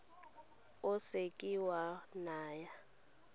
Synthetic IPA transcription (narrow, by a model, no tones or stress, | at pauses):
ʊsekʼiwanaːja